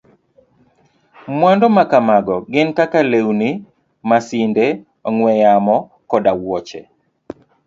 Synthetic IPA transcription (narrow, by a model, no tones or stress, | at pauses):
mwandɔmakamaɡɔɡɪnkakalewni | masinde | ɔŋwɛjamɔ | kɔdawɔt͡ʃɛ̰